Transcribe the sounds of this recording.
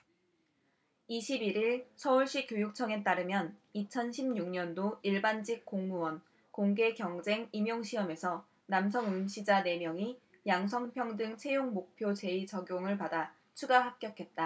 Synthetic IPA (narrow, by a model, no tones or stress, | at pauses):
iɕʰibiɾiɭsʰʌuɭɕ͈ikjojuk̚t͡ɕʰʌŋe̞t͈aɾɯmjʌnit͡ɕʰʌnɕʰimɲuŋɲʌndoiɭband͡ʑik͈̚oŋmuwʌn | koŋɡe̞kjʌŋd͡ʑe̞ŋimjoŋɕʰiʌme̞sʰʌ | nams̬ʰʌŋumɕʰid͡ʑane̞mjʌŋi | jaŋs̬ʰʌŋpʰjʌŋdɯŋt͡ɕʰe̞joŋmok̚pʰjot͡ɕe̞it͡ɕʌɡjoŋɯɭpada | t͡ɕʰuɡaɦap̚k͈jʌkʰe̞t̚t͈a